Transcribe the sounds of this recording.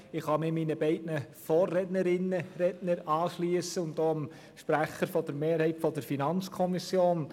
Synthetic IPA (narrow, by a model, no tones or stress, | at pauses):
ɪχhɑmɪminəbɛɪdnəfɔːrɛdnəɾɪnːəɾɛdnəɾɑːʃliəsəʊntdoːəm | ʃpɾæχəɾfɔd̥əɾmeːɾhɛɪtfɔd̥əɾfinɑnt͡skʰɔmɪsjoːn